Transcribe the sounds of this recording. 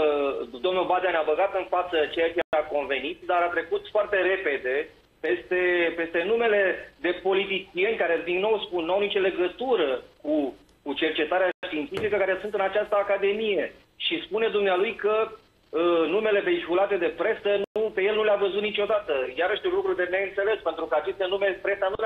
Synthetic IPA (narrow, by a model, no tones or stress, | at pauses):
d̪omnulbad̪anabəɡat̪ɨnfat̪sət͡ʃe̞jat͡ʃeako̞nve̞nit̪d̪aɾat̪ɾe̞kut̪foart̪e̞ɾe̞pe̞d̪e̞ | pe̞st̪e̞pe̞st̪e̞nume̞le̞d̪e̞po̞lit̪̬it͡ʃije̞nʲkaɾe̞d̪iŋɡno̞wspunnːuawnit͡ʃole̞ɡət̪uɾəku | kut͡ʃe̞rt͡ʃe̞t̪aɾeaʃt̪iːnt̪sifikəkaɾe̞sunt̪ɨnat͡ʃast̪əakad̪e̞mije̞ | ʃispune̞d̪umnealujkə | ənume̞le̞peikulat̪e̞d̪e̞pɾe̞sənpe̞je̞lnuleavəzut̪nit͡ʃo̞d̪at̪əjaɾəʃt̪iulukɾud̪e̞neɨnt̪se̞le̞spe̞nt̪ɾukəat͡ʃe̞st̪e̞numepɾe̞sanul